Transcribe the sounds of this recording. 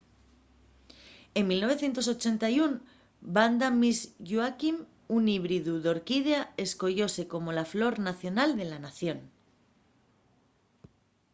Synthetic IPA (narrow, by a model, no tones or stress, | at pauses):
e̞mmilno̞β̞e̞θje̞nt̪o̞s̬o̞t͡ʃe̞nt̪ajun | band̪amizʝuakim | uniβɾiðuðo̞ɾkið̞eae̞sko̞ʝo̞se̞ko̞mo̞laflo̞ɾnaθjo̞nald̪e̞lanaθjo̞n